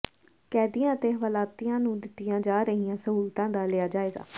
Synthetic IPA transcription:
kɛːd̪ijãːət̪eːɦʋaːlaːt̪ijãːnũːd̪ɪt̪ːijãːd͡ʒaːɾəɦijãːsəɦuːlt̪ãːd̪aːlɪjaːd͡ʒaːeːɡa̰ː

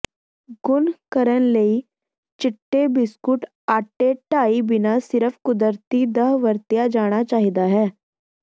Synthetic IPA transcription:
ɡʊnkəɾənləi | t͡ʃɪʈːebɪskʊʈ | aːʈːeʈaːibɪnasɪɾəpʰkʊd̪əɾt̪id̪əɦʋəɾt̪ijad͡ʒaːɽ̃at͡ʃaːɦid̪aɦɛː

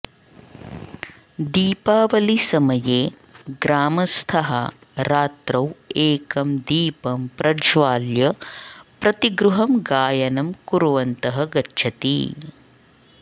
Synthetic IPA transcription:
d̪iːpaːʋɐlisɐmɐjeː | ɡɾaːmɐst̪ʰɐɦɐ | ɾaːt̪ɾɐweːkɐmd̪iːpɐmpɾʔɐd͡ʒʋaːljɐpɾɐt̪iɡɾuɦɐmɡaːjɐnɐmkuɾʋɐnt̪ɐɦɐɡɐtːt͡ʃʰɐt̪ḭ

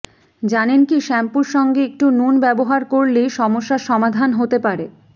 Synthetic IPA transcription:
d͡ʑanenkiʃɛmpuɾʃɔŋɡeek̚ʈunonbɛboɦaɾkoɾleʃɔmoʃːaʃɔmad̪ʱanɦot̪epaɾe

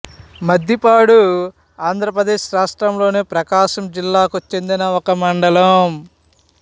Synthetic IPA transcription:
mɐd̪ʱjipaːɽu | aːnd̪ʱɾɐpɾɐd̪eːʃɾaːʂʈɾɐmlo̞ːneːpɾɐkaːʃɐmd͡ʒilːaːkut͡ʃːe̞nd̪inɐokɐmɐɳɖɐlɐm

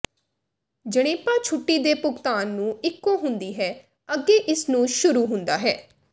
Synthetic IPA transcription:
d͡ʒəɽ̃eːpaːt͡ʃʰʊʈːiːd̪eːpʊkt̪aːnːũːɪkːõːɦʊnd̪iːɦɛː | əɡeːʔɪsnũːʃʊɾuːɦʊ̃nd̪aːɦɛː

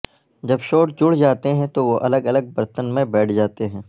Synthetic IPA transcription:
d͡ʒɐbʃoːʈd͡ʒʊɽ̤d͡ʒaːt̪eɦɛ̃t̪oʋoʔɐləɡɐləɡ̚bɐɾt̪ənmẽbɛːʈʰd͡ʒaːt̪eɦɛ̃ː

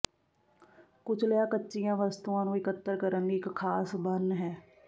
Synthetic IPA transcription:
kʊt͡ʃʰləjãkətːʃijãʋəst̪uãnũɪkət̪ːəɾkəɾənɡiɪkkʰːaːsbənːɦɛː

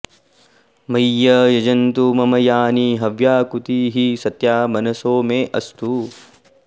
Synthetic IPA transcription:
mɐjːɐjɐd͡ʒɐnt̪umɐmɐjaːniɦɐʋjaːkut̪iːɦisɐt̪jaːmɐnɐsoːmeːʔɐst̪u

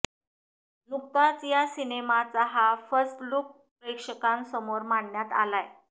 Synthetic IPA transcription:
nuk̚t̪at͡sjasinemat͡saɦafəɾstluk̚ | pɾekʂəkãnsəmoɾmaɳːjat̪a̰laj

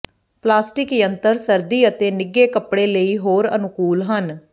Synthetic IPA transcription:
plaːsʈɪkjənt̪əɾsəɾd̪iːət̪eːnɪɡeːkəpɽeːləiːɦoːɾə̰nʊkuːlɦən

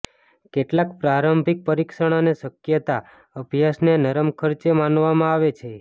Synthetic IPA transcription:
keʈlakpɾaɾəmbʱik̚pəɾikʃəɽ̃aneʃəkjət̪a | əbʱjasnenəɾəmkʰəɾt͡ʃemanʋamãaʋet͡ʃʰe

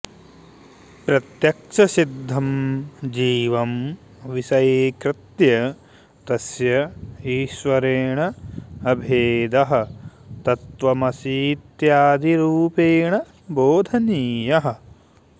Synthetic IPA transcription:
pɾɐt̪jɐkʂʰɐsid̪ʱːɐmd͡ʒiːʋɐm | ʋisɐjekɾɪt̪jɐ | t̪ɐsjɐiːʃʋɐɾeːɳɐɐbʱeːd̪ɐɦɐ̆t̪ɐt̪ʋɐmɐsiːt̪jaːd̪ʱiɾuːpeːɳɐ | boːd̪ʱɐniːjɐɦɐ̆

